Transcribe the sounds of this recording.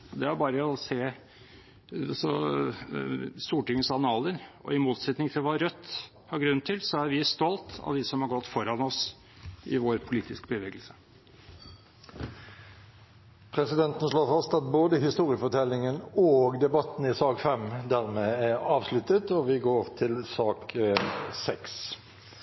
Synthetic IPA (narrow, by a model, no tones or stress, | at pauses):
d̪ɛæɾbɑːɾəɔseː | sɔ | st̪uːʈɪŋːəsɑnɑːləɾɔ̰ɪmuːt̪sɛt̪nɪŋt̪ʰɪlʋɑɾœt̪ː | hɑɾɡɾʉnːt̪ʰɪlsɔæɾʋɪst̪ɔlt̪ɑ̰ʋd̪ɪsɔmhɑɾɡɔt̪ːfɔɾɑnɔs | ɪ̰ʋoːɾpʰʊliːt̪ɪskbəʋeːɡəlsə̥ | pʰʁɛsɪd̪ɛnt̪n̩ʂloːfɑst̪ɑt̪̚boːd̪əɦɪst̪uːʁɪəfɔʈʰɛlːɪŋənoːɡd̪ɛbɑt̪n̩ɪsɑːɡfɛmd̪æʁmeːæɾɑːʋslʉt̪ət̪ɔʋɪɡoːɾt̪ʰɪlsɑːk | sɛks